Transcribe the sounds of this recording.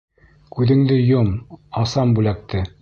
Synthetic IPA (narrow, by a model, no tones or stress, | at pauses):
kʉðɘ̆ŋd̪ɘjomɑsɑmbʉlæk̚t̪ɘ